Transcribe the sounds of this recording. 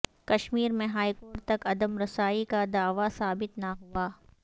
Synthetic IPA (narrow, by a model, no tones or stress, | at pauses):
kɐʃmiːɾmẽɦaːikoːɾʈt̪ɐkɐd̪əmɾɐsaːikad̪aːʋasaːbɪt̪naɦuaː